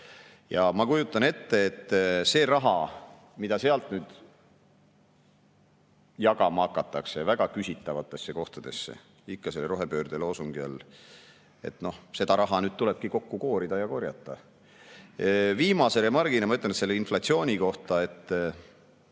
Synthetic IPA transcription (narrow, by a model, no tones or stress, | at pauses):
jɑmɑkujut̪ːˑɑne̞t̪ːe̞ːt̪ːse̞ːrɑɦɑ | mid̪̥ɑse̞ɑlt̪nyːd̪̥ | jɑɡɑmɑɑkːˑɑt̪ːˑɑkse̞væɡ̥ɑkysʲit̪ːˑɑvɑt̪ːˑe̞sːe̞ko̞ht̪ɑd̪̥e̞sːḛ | ikːɑse̞lːeɾo̞ɦepøːrd̪̥elosuŋɡ̥iɑ̰l | e̞̰t̪ˑno̞hse̞d̪ɑɾɑɦɑnyd̪̚t̪ule̞b̥̚kiko̞kːuko̞ːɾid̪̥ɑjɑko̞rjɑ̰t̪ːˑɑ | viːmɑse̞lemɑrɡ̥inemɑyt̪lenet̪selːeinflɑt̪sio̞ːnʲiko̞ht̪ɑe̞t̪ː